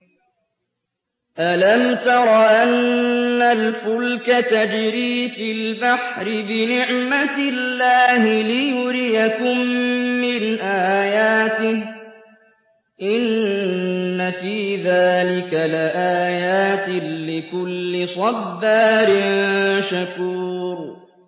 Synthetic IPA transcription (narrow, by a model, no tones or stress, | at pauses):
ʔalamt̪ɑɾˤɑʔanːalfʊlkat̪ad͡ʒɾiːfɪlbaħɾɪbɪnɪʕmat̪ɪlːaːhɪlɪjʊɾɪjakʊmːɪnʔaːjaːt̪ɪh | ʔɪnː | afiːðaːlɪkalɪʔaːjaːt̪ɪlɪkʊlːɪsˤɑbːaːɾɪnʃakuːɾ